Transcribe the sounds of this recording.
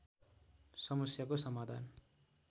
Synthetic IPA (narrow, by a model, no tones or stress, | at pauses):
sʌmʌsjakosʌmad̪ʱa̰n